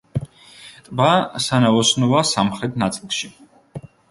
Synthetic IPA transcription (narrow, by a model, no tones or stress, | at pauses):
t̪ʼbasanaɔsnɔvasamχɾɛt̪ʰnat̪sʼilˠʃi